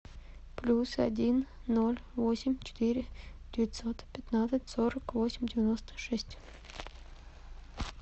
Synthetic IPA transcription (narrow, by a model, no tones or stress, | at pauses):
plʲusa̰dʲinːolʲvosʲɪmʲt͡ɕɪ̥t̪iɾʲɪd̥ʲɪvʲɪt̪sot̪pʲɪt̪nat̪sətʲsoɾəkvosʲɪmʲdʲɪvʲɪnost̪ə̥ʂɛsʲtʲ